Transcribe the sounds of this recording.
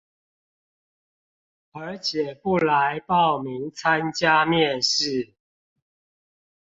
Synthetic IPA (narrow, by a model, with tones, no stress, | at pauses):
ə˨˥t͡ɕʰjɛ˨˩pu˥˩la˨˦ɪpɑ˥˨ʊmi˨˦ŋt͡sʰa˦nt͡ɕja˦mjɛ˥˨nʂɻ̩˥˨